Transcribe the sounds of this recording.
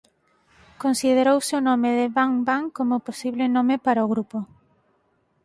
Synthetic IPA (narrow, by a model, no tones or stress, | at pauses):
konsið̞eɾowsɪʊnõmɪðɪβaŋbaŋkomoposiβlɪnõmɪpaɾaoɣɾupo